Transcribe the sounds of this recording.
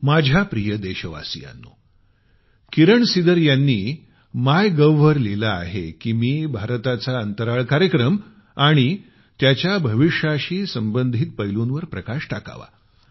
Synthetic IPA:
mad͡ʑʱapɾijəd̪eɕəʋa̰sḭja̰nːṵ | kiɾəɳsid̪əɾjanːiː | majɡəʋɦəɾlilaːɦekiːmiːbʱaɾt̪at͡saənt̪əɾaɭkaɾjəkɾəm | aɽ̃i | t̪jat͡ɕjabʱəʋiʂaɕiːsəmbənd̪ʱit̪̚pəjlunʋəɾpɾəkaʂʈaka̰ʋa̰

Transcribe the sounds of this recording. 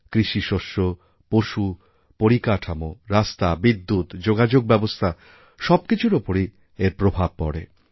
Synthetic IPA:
kɾiʃiʃoʃo | poʃu | poɾikaʈʰamoɾast̪abid̪ːut̪d͡ʑoɡad͡ʑoɡ̚bɛbost̪ʰa | ʃɔbkit͡ɕʰuɾopoɾi | eɾpɾobʱab̚pɔ̰ɽḛ

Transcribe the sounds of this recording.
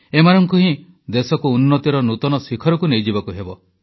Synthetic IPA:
emanɔŋkuɦĩ | d̪esɔkuːnːɔt̪iɾɔnut̪ɔnɔsikʰɔɾɔkunejd͡ʒibɔkuɦebɔ̰

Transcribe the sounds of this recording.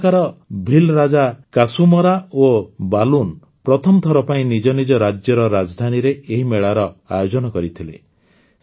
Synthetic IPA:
kaɾɔbʱilɾad͡ʒakasumɔɾaobalun | pɾɔt̪ʰɔmɔt̪ʰɔɾɔpaĩnid͡ʒɔnid͡ʒɔɾad͡ʒjɔɾɔɾad͡ʒɔd̪ʱaniɾeeɦimeɭaɾɔa̰jod͡ʒɔnɔkɔɾit̪ʰilḛ

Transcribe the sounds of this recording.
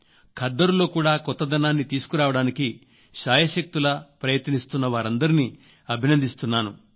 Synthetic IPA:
kʰɐd̪ːɐɾulo̞ːkuːɽaːkɔt̪ːɐd̪ɐnaːnːit̪iːsu̥kuɾaːʋɐɽaːniki | ʃaːjɐʃɐk̚t̪ulɐpɾɐjɐt̪ɐnist̪unːɐʋaːɾɐnd̪ɐɾini | ɐbʱinɐnd̪ʱist̪unːaːnu

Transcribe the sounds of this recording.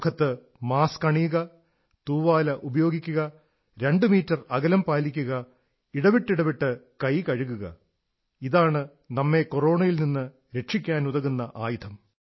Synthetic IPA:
kʰɐt̪ːɨ | maːskɐɳijuɣɐ | t̪uːʋaːlɐʔubɐjo̞ːɡikʲːuɣɐ | ɾe̞ɳɖɨmiːtːɐrɐɣɐlɐmpaːlikʲːuɣɐ | iɽɐʋiʈːiɽɐʋiʈːɨkɐjkɐɻuɣuɣɐ̰ | iðaːɳɨ | nɐmːe̞koro̞ːɳɐjilninːɨ | ɾe̞ʈʂikʲːaːnuðɐɣunːɐʔaːjut̪ʰɐm

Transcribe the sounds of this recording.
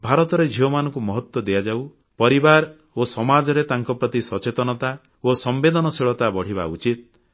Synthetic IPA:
bʱaɾɔt̪ɔɾed͡ʒʱiwɔmanɔŋkumɔɦɔt̪wɔd̪ejad͡ʒaw | pɔɾibaɾ | osɔmad͡ʒɔɾet̪aŋkɔpɾɔt̪isɔt͡ʃet̪ɔnɔt̪a | osɔmbed̪ɔnɔseɭɔt̪abɔɽ̤iβa̰ut͡ʃit̪̚

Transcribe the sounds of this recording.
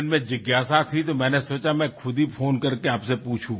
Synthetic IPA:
nmɛ̃d͡ʒəɡjaːsat̪ʰit̪omɛ̃nɛsoːt͡ʃamɛ̃kʰʊd̪ʱipʰoːnkəɾkeaːpsepuːt͡ʃʰũː

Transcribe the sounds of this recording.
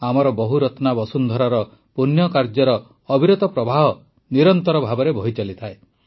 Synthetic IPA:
amɔɾɔbɔɦuɾɔt̪nabɔsund̪ʱɔɾaɾɔ | punjɔkaɾd͡ʒɔɾɔː | bʱiɾɔt̪ɔpɾɔbʱaɦɔ | niɾɔnt̪ɔɾɔbʱabɔɾebʱɔɦit͡ʃalit̪ʰae

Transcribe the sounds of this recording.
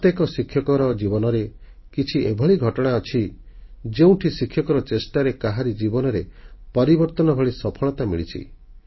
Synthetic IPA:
t̪jekɔsikʰjɔkɔɾɔd͡ʒibɔnɔɾe | kit͡ʃʰiebʱɔɭiɡʱɔʈɔɽ̃aɔt͡ʃʰid͡ʒeũʈʰisikʰːjɔkɔɾɔt͡ʃesʈaɾekaɦaɾid͡ʒibɔnɔɾepɔɾibɔɾt̪ɔnɔbʱɔɭisɔpʰɔɭɔt̪amḭɭḭt͡ʃʰḭ

